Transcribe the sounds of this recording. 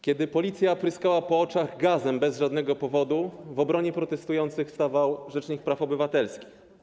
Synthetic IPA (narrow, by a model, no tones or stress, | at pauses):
kʲjɛd̪ɘpɔlʲit̪sʲjapɾɘskawapɔɔt͡ʂaɣɡazɛmbɛzʐad̪nɛɡɔpɔvɔd̪uvɔbɾɔɲɛpɾɔt̪ɛst̪ujɔnt̪sɘxst̪avawʐɛt͡ʂɲik̚pɾafɔbɘvat̪ɛlskʲi̥x